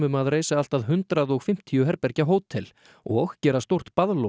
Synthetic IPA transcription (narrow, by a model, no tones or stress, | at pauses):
ʏmaðreːjsaal̥t̪aðɦʏnt̪ɾaðɔɣfɪm̥t̪ʰiʏɦɛɾpɛɾcaɦoːwt̪ʰɛl̰ | ɔɣcɛːɾast̪owr̥t̪paðlo